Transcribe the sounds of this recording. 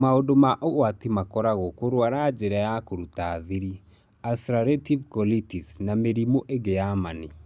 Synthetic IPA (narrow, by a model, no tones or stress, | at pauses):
maodomaʔowatimakɔɾaɣokoɾoaɾad͡ʒeɾɛjakoɾutaðiɾi | asɾaɾetivkɔlitisnameɾimoʔeɡejamani